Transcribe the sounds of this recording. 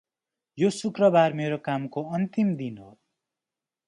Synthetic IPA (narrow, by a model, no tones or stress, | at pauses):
josukrʌbarmeɾokamkoʌnt̪imd̪inɦo̰